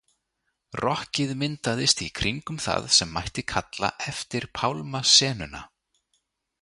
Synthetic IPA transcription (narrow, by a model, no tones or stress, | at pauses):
rɔhcɪðmɪnt̪aðɪst̪ikʰɾiŋkʏmθa̰ðsɛmːajht̪ɪkʰat̪la̰ʔɛft̪ɪɾ̥pʰawlmasɛːnʏna̰